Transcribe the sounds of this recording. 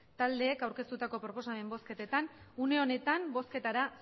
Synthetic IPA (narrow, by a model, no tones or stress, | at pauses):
t̪ald̪e̞ːkawɾkest̪ut̪ako̞pɾo̞po̞same̞mbo̞ske̞t̪et̪anune̞o̞ne̞t̪ambo̞ske̞t̪aɾas